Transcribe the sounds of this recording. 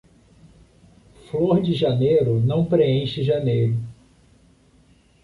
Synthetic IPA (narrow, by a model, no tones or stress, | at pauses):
floɾd͡ʒɪʒɐnejɾʊnɐ̃w̃pɾeẽʃɪʒɐnejɾʊ